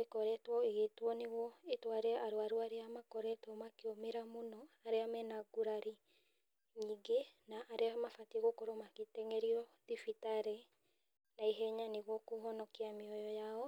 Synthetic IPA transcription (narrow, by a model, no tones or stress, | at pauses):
ekɔɾɛtwɔeɣetwɔneɣwɔetwaɾeaʔaɾoaɾoaɾeamakɔɾɛtwɔmakeomeɾamonɔaɾeamɛnaɡuɾaɾi | ɲiːɡenaʔːɾeamafatieɣokoɾomaketɛŋɛɾiɔðifitaɾɛ | naiɦɛɲaneɣwɔkuɦɔnɔkeameɔjɔjaɔ